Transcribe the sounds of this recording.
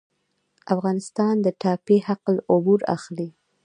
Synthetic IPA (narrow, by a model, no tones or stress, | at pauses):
afɣɑnɪst̪ɑnd̪əʈɑpehaqlʊbuɾa̰xli